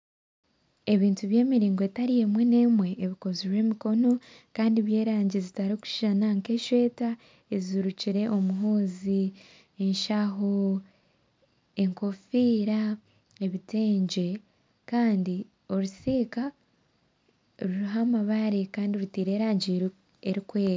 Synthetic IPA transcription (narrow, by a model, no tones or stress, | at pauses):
e̞βiːntuβje̞ːmiɾiːŋɡoetaɾije̞mwe̞ne̞mwe̞ːβiko̞ziɾwe̞ːmiko̞no̞ | kaːndiβje̞ːɾaːɲɟizitaɾiku̥ʃanaŋke̞ʃwe̞ːta | eziɾuciɾe̞ʔo̞muɦoːzi | eɲʃaɦo | e̞ŋko̞fiːɾa | eβite̞ːɲɟe̞ | kaːndi | o̞ɾusiːka | ɾuɾuɦamaβaɾekaːndioɾutiːɾe̞ːɾaːɲɟiɾ | eɾikwe̞ːɾa